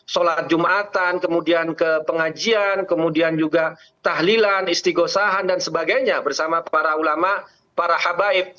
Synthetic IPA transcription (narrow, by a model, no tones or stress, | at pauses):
solat̪̚d͡ʒumaat̪ankəmudiankəpəŋad͡ʒiankəmudiand͡ʒuɡa | t̪aɦlilanist̪iɡosaɦandansəbaɡajɲabərsamapaɾaulama | paɾahabaɪp̚